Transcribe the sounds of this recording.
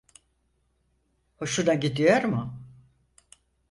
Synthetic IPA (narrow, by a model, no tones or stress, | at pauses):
hoʃud̪anɟid̪ijoɾmʊ